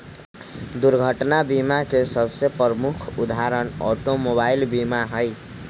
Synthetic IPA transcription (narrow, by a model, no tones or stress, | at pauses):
d̪uɾɡʱəʈnabimakesəbʱsepɾəmukʰud̪aɾənɔ̰ʈomobailbimaɦəj